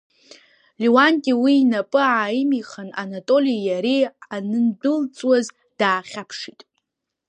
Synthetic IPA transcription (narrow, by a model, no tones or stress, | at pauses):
liwankʼiwiːnapʼɨaːimiχananatʼo̞lijjaɾianɨndɨlt͡sʼwaz | d̥aːχʲapʰʂitʼ